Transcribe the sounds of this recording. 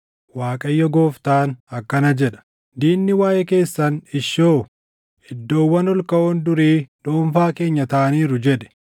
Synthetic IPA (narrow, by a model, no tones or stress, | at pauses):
waːkʼɐjːɔɡoːft̪aːnɐkːɐnɐd͡ʒɛᶑɐ̥ | d̪iːnːɪwaːjɛke̞ːsːɐnɪʃoː | ɪd̪ːo̞ːwːɐnɔlkɐoːnd̪ʊɾiːᶑoːɱfaːke̞ːɲːɐt̪ɐʔɐniːɾʊd͡ʒɛᶑɛ̥